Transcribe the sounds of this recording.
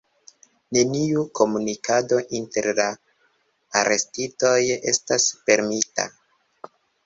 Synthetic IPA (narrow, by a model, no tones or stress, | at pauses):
ne̞niukʰo̞munikado̞ʔinte̞̰ɾlaː | ɾʔe̞stito̞je̞staspe̞ɾmita̰